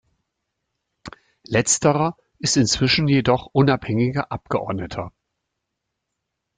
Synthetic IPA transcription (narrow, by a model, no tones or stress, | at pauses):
lɛt͡stəʁɐ | ʔɪstɪnt͡sv̥ɪʃn̩jedɔχʔʊnaphɛŋɪɡɐʔap̚ɡ̥əʔɔ̰ɐdnətʰɐ